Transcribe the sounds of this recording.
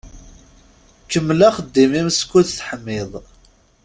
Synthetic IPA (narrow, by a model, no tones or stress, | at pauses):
kəmːlaχəd̪ːimimskʷːuðθħəmːɪðˤ